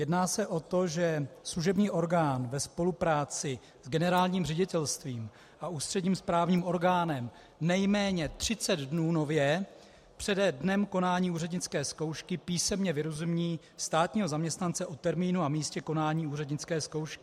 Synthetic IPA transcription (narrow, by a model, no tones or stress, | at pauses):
jɛdnaːsɛʔo̞t̪o̞ʒɛsluʒɛbɲiːʔo̞ɾɡaːnvɛspo̞lupɾaːt͡sɪ | zɡɛnɛɾaːlɲiːmrɛɟɪt̪ɛlst̪viːm | ʔauːst̪r̝̥ɛdɲiːmspɾaːvɲiːmʔo̞ɾɡaːnɛm | nɛjmɛːɲɛt̪r̝̥ɪt͡sɛd̪dnuːno̞vjɛ | pr̝̥ɛdɛdnɛmko̞naːɲiːuːrɛdɲɪt͡skɛːsko̞wʃkɪpiːsɛmɲɛvɪɾozumɲiː | st̪aːt̪ɲiːɦo̞zamɲɛst̪nant͡sɛʔo̞t̪ɛɾmiːnuamiːscɛko̞naːɲiːuːrɛdɲɪt͡skɛːsko̞wʃkɪ